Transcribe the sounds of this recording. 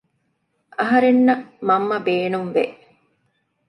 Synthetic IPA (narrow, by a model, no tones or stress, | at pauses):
ʔɐɦɐɾenːɐmɐmːɐbeːnumʋeʔ